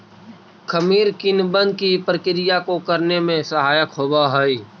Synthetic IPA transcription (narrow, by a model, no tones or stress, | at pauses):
kʰəmiːɾkɪnbə̃nd̪̚kipɾəkɪɾɪjakokəɾnemẽsəɦaːjəkɦoːbaɦɛi